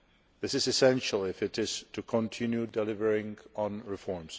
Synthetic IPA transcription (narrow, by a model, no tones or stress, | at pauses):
ðɪsɨzɨsɛ̃nʃəl̩ˠɪfɪɾɪz̥tʰukʰɔ̃ntʰɪ̃njudɛlɪvə˞ɪ̃ŋə̃nɹɪfɔɹms